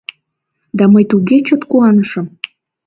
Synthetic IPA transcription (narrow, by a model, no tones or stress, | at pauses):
d̪ɑməjt̪uɣet͡ɕot̪kuɑnəʃəm